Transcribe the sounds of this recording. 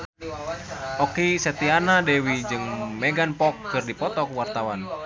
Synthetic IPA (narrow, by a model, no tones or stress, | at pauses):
ɔkisɛt̪ianadɛwid͡ʒɨŋmɛɡanpɔkːɨrdipɔt̪ɔkwart̪awan